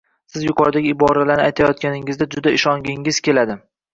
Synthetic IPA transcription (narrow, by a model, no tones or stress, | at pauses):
sɪzjʊqʰɒɾd̪aɡʲɪɪbɒɾalanɪajt̪ʰajɒt̪̚kʲanɪŋɪzd̪ad͡ʒʊd̪aɪʃɒŋɡʲɪŋɪz̥kʲe̞lad̪ɪ